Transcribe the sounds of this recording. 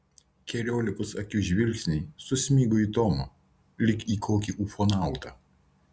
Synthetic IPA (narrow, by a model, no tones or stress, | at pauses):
kʲɛɾʲoːlʲɪkʊsɐkʲʊʒʲʋʲɪlʲkʲsʲnʲisʊsʲmʲiːɡʊiːt̪ɔːmɐ | lʲɪkiːkʰoːkʲiʔuːfɔnɑˑʊt̪ɑ